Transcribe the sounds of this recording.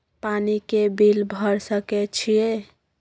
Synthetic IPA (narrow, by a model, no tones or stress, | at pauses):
panikebilbʱəɾsəkɛt͡ʃʰije